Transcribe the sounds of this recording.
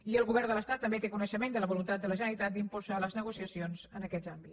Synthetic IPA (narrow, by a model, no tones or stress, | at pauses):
iəlˠɣuβɛɾnd̪ələst̪at̪ːəmbet̪ekunəʃəmend̪ələβulunt̪at̪d̪ələʒənəɾit̪at̪̚d̪impulˠzaləznəɣusiəsionzənəkɛdzambi